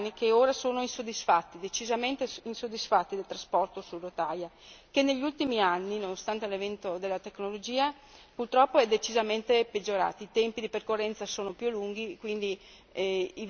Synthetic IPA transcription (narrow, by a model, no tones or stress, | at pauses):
nikeoːɾasoːnoinsod̪isfat̪ːid̪et͡ʃizament̪einsod̪ːisfat̪ːid̪elt̪ɾaspɔrt̪osurːot̪ajakenːeʎːult̪imianːinonost̪ant̪elevɛnt̪od̪elːat̪eknolod͡ʒiːa | purt̪ɾɔpːoɛd̪et͡ʃizament̪eped͡ʒːoɾa̰ːt̪iːt̪ɛmpid̪iperkorːɛnt̪sasoːnopjulːuŋɡikwind̪i | i